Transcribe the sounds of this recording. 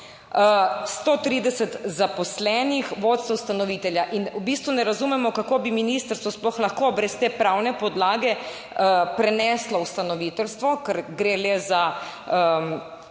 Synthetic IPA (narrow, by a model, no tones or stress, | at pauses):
əst̪ot̪ɾiːd̪ɛsɛt̪zapɔslɛnixʋoːt̪swust̪anɔʋit̪ɛljaʔinubist̪ʋunɛɾazumɛmɔkakoːbiminist̪əɾst̪ʋɔsplɔxlaxkobɾɛst̪eːpɾawnɛpɔd̪laːɡɛ | əpɾɛnɛslɔust̪anɔʋit̪ɛlst̪ʋɔkɛɾɡɾeːlɛza | ə